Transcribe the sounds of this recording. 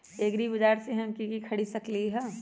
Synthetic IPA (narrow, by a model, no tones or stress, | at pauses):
eːɡɾibɐd͡ʒaːɾseɦɐmkikikʰɐɽisɐkliɦɛː